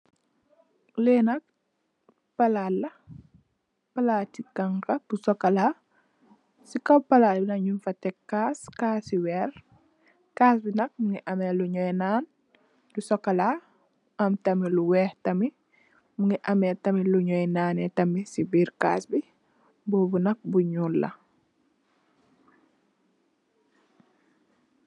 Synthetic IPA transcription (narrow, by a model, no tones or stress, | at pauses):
lɛːnɐk̚ | pɐlalːɐ | pɐlaːtikɐŋkɐb̥usɔkːɐlaː | sikɐwpɐlaːlbinɐɲunfɐtɛkːaːskaːsiwɛr | kaːsbinɐk̚muŋɡiʔɐmɛluɲɔjnaːn | dusɔkːɐla | ɐmtɐmiluwɛːhtɐmi | muŋiʔɐmɛtɐmiluɲɔjnaːnɛtɐmisibiːɾka̰ːsbi | bubunɐk̚buɲulːɐ̰